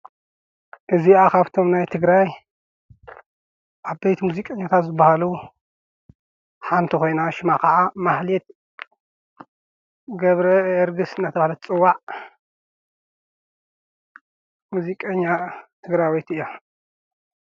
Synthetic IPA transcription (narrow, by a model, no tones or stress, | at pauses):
ʔɨziʔakʰaβt̪ʰo̞mnajt̪ʰɨɡɾaj | ʔaβbejt̪ʰmuzikʼɐɲːat̪ʰat̪zɨbahalu | ħant̪ʰiko̞jnaʃɪmakaʔamaħlit̪̚ | ɡɐβɾɐɾɡɨsɨnat̪ʰɐβahalɐt̪t͡sʼɨwːaʕ | muzikʼɐɲːat̪ʰɨɡɾajwojt̪ɨjːo